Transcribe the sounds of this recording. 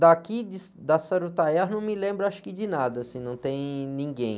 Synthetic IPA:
d̪akid͡ʒɪsd̪asɛɾut̪ajɛɦnɐ̃w̃mɪlẽmbɾʊaʃʊ̥kɪd͡ʒɪnad̪ɐasĩnɐ̃w̃t̪ẽj̃nĩɡẽj̃

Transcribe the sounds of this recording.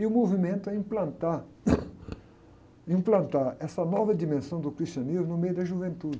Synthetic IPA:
iʊmovimẽnt̪ʊɛĩmplɐ̃nt̪a | ĩmplɐ̃nt̪aɾɛsɐnɔvɐd̪imẽsɐ̃w̃d̪ʊkɾist̪iɐnizmʊnʊmejʊd̪ɐʒuvẽnt̪ud͡ʒɪ

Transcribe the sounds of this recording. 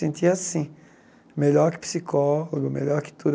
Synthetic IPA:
ẽnt̪ʰiasĩ | meʎɔɾkɪ̥psikɔloɡʊmḛʎɔɾkɪ̥t̪ud̪

